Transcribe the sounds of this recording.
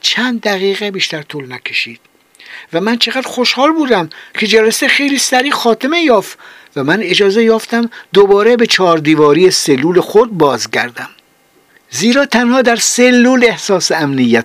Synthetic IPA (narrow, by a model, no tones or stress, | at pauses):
t͡ʃʰænd̪ːæɣiːɣebiːʃt̪æɾt̪ʰolnækʰe̞ʃiːd̪̥ | væmænt͡ʃʰeɣæd̪̥xoʃhɒːlbuːd̪æmkʰe̞d͡ʒælæsexe̞jliːsæɾiːxɒːt̪ʰe̞me̞jɒːft̪ | væmæne̞d͡ʒɒːzejɒːft̪æmd̪obɒːɾebe̞t͡ʃʰɒːɾd̪iːvɒːɾijeselːuːlexod̪̚bɒːzɟæɾd̪æm | ziːɾɒːt̪ʰænhɒːd̪æɾselːuːle̞hsɒːseæmnijːæt̪